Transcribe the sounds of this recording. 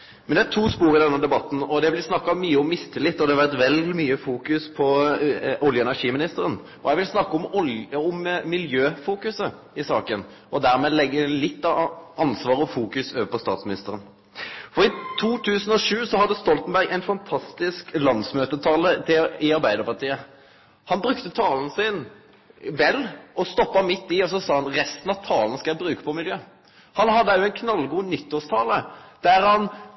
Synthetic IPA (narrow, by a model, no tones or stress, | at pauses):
mɛnd̪ɛæt̪ʰuːspuːʁɪd̪ɛnːəd̪ɛbɑt̪ːn̩ɔd̪ɛʋɪlsnɑkːɑmyːəɔmːɪst̪ʰəlɪt̪ːɔd̪ɛɑʋæʁt̪ʋɛlmyːəfuːkʉspʰɔ | ʊljəɛnæʁʂiːmɪnɪst̪əɾən | ʔɔjɛʋɪlsnɑkːɔmɔɔmmɪljøːfuːkʉsə | ɪsɑːkən | ʔɔd̪æʁmeːlɛɡːəlɪt̪ːɑʔɑnsʋɑːʁəɔfuːkʉsøːʋəpʰɔst̪ɑːt̪smɪnɪst̪əɾən | fɔɾɪt̪ʰuːt̪ʰʉːsən̩ɔʂʉːsɔɦɑd̪ːəst̪ɔlt̪n̩bæʁɡæɪnfɑnt̪ʰɑst̪ɪsklɑnd̪smøːt̪ət̪ʰɑːlət̪ʰɪɪɑɾbæɪd̪əʁpɑʁt̪ʰiːə | hɑnbɾʉkt̪ət̪ʰɑːlnəsɪn | ʋɛlːɔst̪ɔpːɑmɪt̪ːɪɔs̬ɔsɑːhɑnʁɛst̪ən̩ɑʋt̪ʰɑːlnəskɑjæbɾʉːkə̥pʰɔmɪljøː | hɑnɦɑd̪ːəjʊɛɪnkʰnɑlːɡuːnʏt̪ːoːst̪ʰɑːləd̪̥æʁhɑn